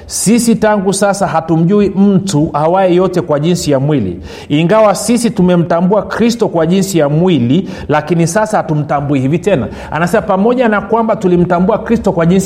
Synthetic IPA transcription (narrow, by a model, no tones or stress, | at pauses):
sisitaŋɡusasaɦatum̩ʄuim̩tuʔawaɛjɔtɛkwaʄinsijamwilḭ | iŋɡawasisitumɛm̩tambuakɾistɔkwaʄinsijamwili | lakinisasahatum̩tambuihivitɛna̰ | a̰nasɛmapamɔʄanakwambatulim̩tambuakɾistɔkwaʄins